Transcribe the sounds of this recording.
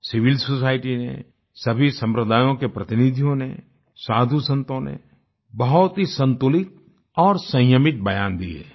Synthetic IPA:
sɪʋɪlsosaːɪʈinḛ | sɐbʱisɐ̃mpɾəd̪aːjõkepɾɐt̪ɪnɪd̪ʱijõnḛ | saːd̪ʱusə̃nt̪õnḛ | bɐɦʊt̪ɦisə̃nt̪ʊlɪt̪̚ | ɔːɾsə̃jəmɪt̪̚bəjaːnd̪ḭḛ

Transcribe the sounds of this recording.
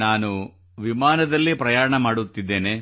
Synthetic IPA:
naːnu | ʋimaːnɐd̪ɐlːipɾɐjaːɾɐɳɐmaːɽut̪ːid̪ːe̞ːne

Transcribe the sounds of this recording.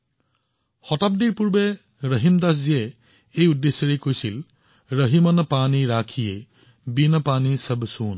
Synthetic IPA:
xɔtap̚diɹpuɹbɛ | ɹəɦimdas̬zijɛ | ejudːesːɔɹekojsil | ɹəɦimɔnpaniɹakʰije | binəpanisəbsun

